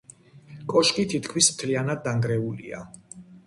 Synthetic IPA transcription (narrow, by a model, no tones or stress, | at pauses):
kʼɔʃkʼit̪ʰit̪ʰkʰmismt̪ʰlianad̪ːaŋɡɾɛulḭa̰